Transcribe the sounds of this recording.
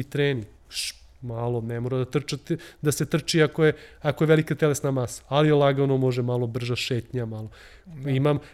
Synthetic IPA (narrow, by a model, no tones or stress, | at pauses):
it̪ɾeːni | ʃ | malˠonemoɾad̪at̪r̩t͡ʃat̪d̪aset̪r̩t͡ʃiakojeakojeʋelikat̪elesnamasḁaliolˠaɡanomoʒemalˠobr̩ʒaʃeːt̪ɲamalˠo | imam